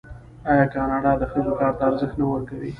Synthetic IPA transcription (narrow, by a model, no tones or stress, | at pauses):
ɑjɑkɑnɑɖɑd̪əxəzokɑɾt̪aːɾzəxt̪nawəɾkawi